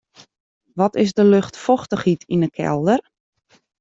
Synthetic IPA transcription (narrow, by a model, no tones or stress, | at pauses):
ʋɔtɪzdəløxtfɔxtəxitʰinəkʰɛ̰lˠdər